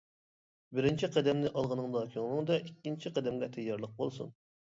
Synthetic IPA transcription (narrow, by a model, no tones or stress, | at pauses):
bɪɾɪnt͡ʃʰiqʰɛd̪ɛmnɪʔɑlˠʁənɨŋd̪ɑkʲʰøŋlˠɨŋd̪ɑʔikʲːint͡ʃʰiqʰɛd̪ɛmɡʲɛt̪ʰɛjːɑɾlˠəq̚bolˠsṵn